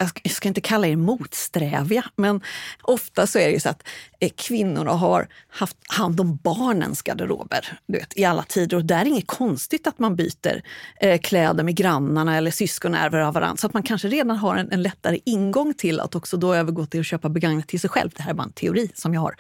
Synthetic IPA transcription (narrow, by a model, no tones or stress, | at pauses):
jɑjɑskaɪnt̪əkʰalːaɛɾmuːt̪st̪ɾɛːvɪamɛnʔɔft̪asɔæɾɛjsa̰t̪kʰvɪnːʊɳa̰ɦa̰ɾhaft̪hand̪ɔmbɑːɳə̰nsɡa̰d̪əɾo̰ːbə̰ɾd̪ɵvḛːt̪ʰɪalːa̰t̪ʰiːd̪əɾɔd̪ɛæɾɪŋːət̪kʰɔnst̪ɪt̪at̪manby̰ːt̪ə̰ɾkʰlɛːd̪əɾmɛɡɾanːaɳaɛlːəsʏskɔnæ̰ɾvəɾavːaɾʔa̰nasɔat̪mankʰanʂəɾeːd̪anɦaɾɛnɛnlɛt̪ːaɾəʔɪnɡɔŋːt̪ʰɪlːʔa̰t̪ɔksɔd̪ɔøːvəɾɡoːt̪ʰɪlɔɕøːpabɛɡaŋnat̪ʰːɪlsɛjɧɛ̰lvd̪ɛhæɾɛbɑːɾa̰ɛnt̪ʰɛʊɾiːsɔmjɑːha̰ɾ